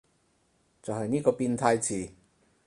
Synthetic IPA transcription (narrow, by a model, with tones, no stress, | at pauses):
t͡sɐ˨whɐ˨jniː˥kɔː˧piː˧nt̪ʰaː˧jt͡sʰiː˨˩